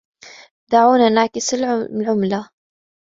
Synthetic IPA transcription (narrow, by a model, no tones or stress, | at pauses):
d̪aʕuːnanaːkɪsɪllʕʊmla